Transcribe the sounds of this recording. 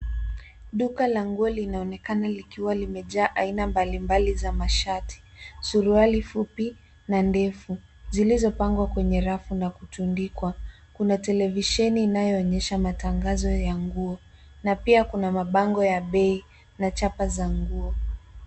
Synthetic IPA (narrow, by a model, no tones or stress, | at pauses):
ɗukalaŋɡuɔlinaɔnɛkanalikiwalimɛʄaːʔainambalimbalizamaʃatʰi̥suɾualifupi | nandɛfu | zilizɔpaŋɡwakwɛɲɛɾafunakutundikwa | kunatɛlɛviʃɛniːnajɔːɲɛʃamataŋɡazɔjaŋɡuɔ | napiakunamaɓaŋɡɔjaɓɛi | nat͡ʃapazaŋɡuɔ